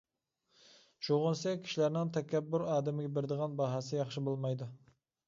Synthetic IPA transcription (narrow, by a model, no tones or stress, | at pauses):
ʃoʁʊnsɛkʲkʲʰi̥ʃilæɾnɪŋt̪ʰɛkʲʰɛbːʊɾɑːd̪ɪmɪɡʲɛbɪɾɪd̪əʁɑnbɑɦɑsɪjɑχʃɪbolˠmɑjd̪u